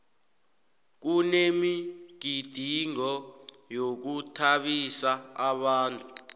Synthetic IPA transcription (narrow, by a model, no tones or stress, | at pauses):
k̬unemiɡ̥ʱid̥ʱiŋɔjok̬utʰaɓisaaɓaːntʼu